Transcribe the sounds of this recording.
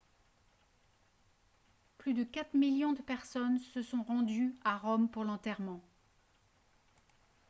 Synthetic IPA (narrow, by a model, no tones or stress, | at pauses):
plyd̪əkat̪χmiljɔ̃d̪əpɛʁsɔnsəsɔ̃ʁɑ̃d̪yaʁɔmpuʁlɑ̃t̪ɛʁmɑ̃